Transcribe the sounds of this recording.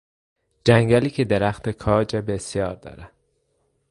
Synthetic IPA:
d͡ʒæŋɡæliːcʰed̪eɾæxt̪ʰekʰɒːd͡ʒebesjɒːɾd̪ɒ̰ːɾæ

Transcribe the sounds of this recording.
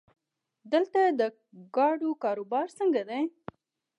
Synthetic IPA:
d̪əlt̪ad̪ə | ɡɑɖokɑɾobɑɾsəŋɡad̪ej

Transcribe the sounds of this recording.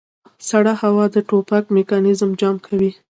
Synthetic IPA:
saɽahawɑd̪əʈopakmekɑnɪzmd͡ʒɑmkʰawi

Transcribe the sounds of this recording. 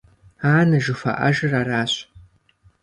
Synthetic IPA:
aːnɐʒɨfɐ̰ʔɐ̰ʒɨraːraːɕ

